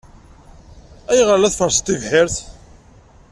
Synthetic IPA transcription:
æjʁəɾlæθfəɾst̪ːivħɪɾθ

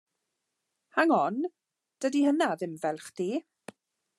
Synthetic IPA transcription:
haŋɔn | d̥ədihənaðɪmvɛlˠχd̥iː

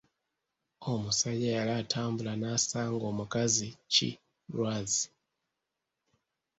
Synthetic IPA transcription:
omusaɟajalatʰaːmbulanaːsaːŋɡomukazit͡ʃḭ | ɾwazi

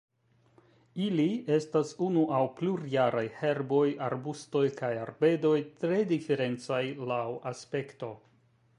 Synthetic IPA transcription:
ilie̞stasunuʔawpluɾjaɾajhe̞ɾbo̞jaɾbusto̞jkajaɾbe̞do̞jtɾe̞dife̞ɾe̞nt͡sajlawaspe̞kto̞

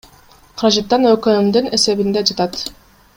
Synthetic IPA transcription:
qʰɑɾɑd͡ʒat̪ːɑnøkøymd̪yne̞se̞βind̪ed͡ʒɑt̪ɑt̪

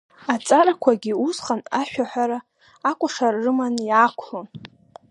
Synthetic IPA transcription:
at͡sʼarakʷʰaɡʲiusχʼanaʃᶣaħʷᶣaɾaː | kʷʼʊʂarːɨmanjakʷʰon

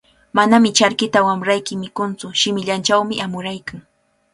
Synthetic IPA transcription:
manamɪt͡ʃaɾkɪt̪awamɾajkɪmɪkʊnt͡sʊʃɪmɪʎant͡ʃawmɪʔamʊɾajkaŋ

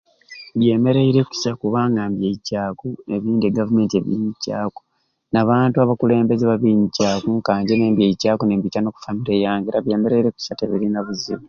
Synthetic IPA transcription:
βje̞ːme̞ɾeiɾe̞ku̥sakuβaːŋɡambjeicaːkueβiːndeɡavume̞ːntie̞̰βjḭːɲica̰ːko̥ | naβaːntuaβakule̞ːmbe̞zeβaβiːɲicaːkuŋkaːɲɟeneːmbjeicaːkonembitano̞ːku̥famiɾe̞ːjaːŋɡiɾaβje̞ːme̞ɾe̞iɾe̞ku̥sate̞βiɾinaβuzḭmu

